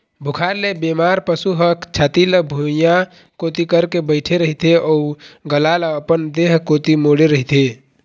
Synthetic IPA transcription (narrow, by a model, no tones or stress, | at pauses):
bʱukʰaɾlebemaɾpəsuɦəkt͡ʃʰat̪iləbʱuja | kot̪ikəɾkebəɪʈʰeɾəɦit̪eʔɔuɡəlaləəpənd̪eɦkot̪imoɽeɾəɦit̪e